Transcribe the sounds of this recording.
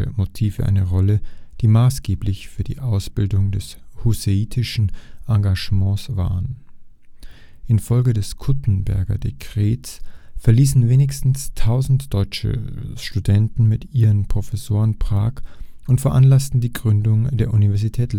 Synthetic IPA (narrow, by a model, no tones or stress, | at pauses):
əmotʰiːvə̰ʔa̰ɪnəʁɔləd̥iːmaːsɡ̥eːplɪçfyːɐdḭːʔaʊsb̥ɪldʊŋdɛshuseiːtʰɪʃn̩ʔaŋɡaʒ̥mɑ̃ːsv̥a̰ːʁən | ʔɪnfɔlɡədɛskʰʊtn̩bɛ̰ɐɡɐ̰dekʁ̥eːtsfɛɐliːsn̩veːnɪçstn̩stʰaʊzn̩td̥ɔʏt͡ʃə̰ʃtudɛntn̩mɪtiːʁənpʁ̥ofɛsoːʁənpʁ̥aːkʔʊntfɛɐʔanlastn̩diːɡʁʏndʊŋdeːɐʔunivɛɐzitʰɛːt